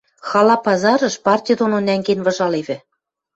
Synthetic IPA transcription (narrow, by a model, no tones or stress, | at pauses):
xɑlɑpɑzɑɾɤ̆ʃpɑrtʲijd̪ononæŋɡenvɤ̆ʒɑleβɘ̆